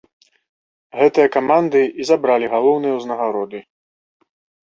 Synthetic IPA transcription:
ɣɛt̪ɨjɐkamand̪ɨizabɾalʲiɣalˠɔwnɨjɐwznɐɣaɾɔd̪ɨ

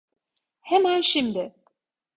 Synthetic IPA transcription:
hemænʃimd̪ɪ

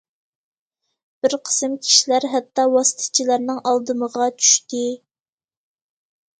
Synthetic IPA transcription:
b̥ɪɾqʰə̥sɨmkʲʰi̥ʃilæɾɦæt̪ːɑwɑsɨ̥t̪ʰɨ̥t͡ʃʰilæɾnɨŋʔɑlˠd̪ɨməʁɑt͡ʃʰy̥ʃt̪ɪ

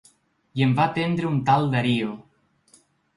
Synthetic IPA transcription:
jemvat̪end̪ɾəunt̪alˠd̪aɾio

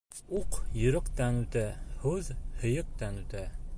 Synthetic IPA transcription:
uqjɤ̆ɾɤ̆qt̪ɑnʉt̪æhʉðhɤ̆jɤq̚t̪ɑnʉt̪æ

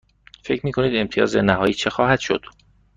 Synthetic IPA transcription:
fe̞cʰɾmiːkʰo̞niːd̪e̞mt̪ʰijɒ̰ːzenæɦɒːjiːt͡ʃʰe̞xɒːhæd̪̥ʃo̞̰d̪̥

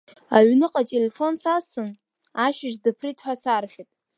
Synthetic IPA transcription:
a̰ɥnɨqʼatʼelefo̞nsasɨn | aʃɪʐdɨpʰritʰʼħʷasarχʲitʼ

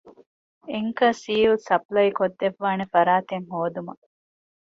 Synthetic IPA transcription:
eŋkɐsiːulsɐplɐikod̪ːeʋːaːnefɐɾaːt̪eŋɦoːd̪umɐ

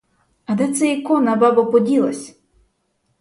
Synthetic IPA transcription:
ɐd̪ɛt̪sɛikɔnɐbabɐpɔdʲilˠɐ̰sʲ

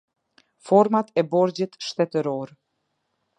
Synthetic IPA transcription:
fɔɾmat̪ɛbɔɾd͡ʑit̪ʃt̪ɛt̪əɾɔɾ

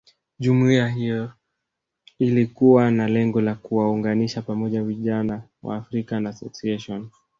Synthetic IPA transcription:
ʄumuiaɦijɔ | ilikuwanalɛŋɡɔlakuwauŋɡaniʃapamɔʄaviʄana | wa̰ːfɾikanasɔsiɛʃɔn

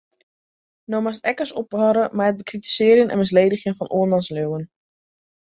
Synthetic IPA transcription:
nomastɛkəsɔphɑɾəmaət̚bəkriti̥sɪːərjənʔɛ̰nmɪs̬lejdəxjəŋfɔnoːnlɑnsløwən

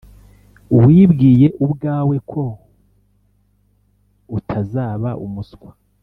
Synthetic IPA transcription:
uwiːbɡiːje̞ʔubɡaːwe̞kʰo̞ | utʰazaːβaʔumuskwḁ

